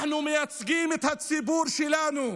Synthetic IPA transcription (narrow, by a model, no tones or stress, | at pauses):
numiɐt͡sɡiːmit̪ʰɐt̪sibuɾʃilaːnu